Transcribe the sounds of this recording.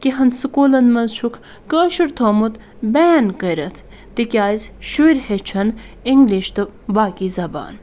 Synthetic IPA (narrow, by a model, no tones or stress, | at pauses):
kiɦɐnd̪sɨkuːlɐnmɐnzʃʰukʰ | kəːʃuɾt̪ʰoːmut̪ | bɛːnkəjɾɐt̪ʰ | t̪ikʲjaːjzʃuiɾhet͡ʃʰɐn | iŋɡliʃt̪ɨbaːkiːzɐba̰ːn